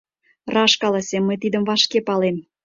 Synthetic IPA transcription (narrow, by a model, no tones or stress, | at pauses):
rɑʃkɑlɑsemːəjt̪id̪ə̆mvɑʃkepɑlem